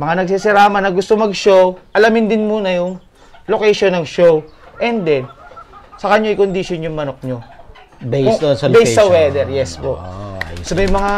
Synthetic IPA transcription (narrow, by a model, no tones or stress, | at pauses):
mɐŋanɐɡsisɪɾaːmɐnɐɡʊst̪omɐɡʃowʔɐlɐmɪnd̪ɪnmuːnɐjʊŋ | lokɛʃonɐŋʃowʔɛnd̪ɛnsɐkɐɲoɐjkond̪ɪʃjonjʊŋmɐnok̚ɲo̞ | bejoonsɐbɛjɐwɛːd̪ɛɾjɛsbosomɛjmɐŋa